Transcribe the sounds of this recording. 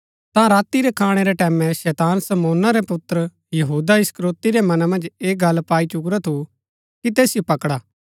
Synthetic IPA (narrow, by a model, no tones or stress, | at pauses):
t̪ãɾaːt̪iɾɛkʰaːɽ̃eɾɛʈɛːmɛ̃ʃɛːt̪aːnsɐmoːnaɾɛpʊt̪ːɾə | jɐɦuːd̪aɪskɾoːt̪iɾɛmɐnamɐ̃nd͡ʒeːɡɐlpaːit͡ʃʊkɾat̪ʰu | kit̪eːsɪjopɐkɽaː